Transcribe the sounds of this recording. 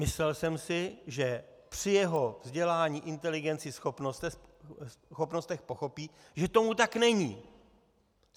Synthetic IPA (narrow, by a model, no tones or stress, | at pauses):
mɪslɛlsɛmsɪʒɛpr̝̥ɪjɛɦo̞vzɟɛlaːɲiːʔɪnt̪ɛlɪɡɛnt͡sɪsxopnost̪ɛ | xopnost̪ɛxpo̞xo̞piː | ʒɛt̪o̞mut̪̬aknɛɲiː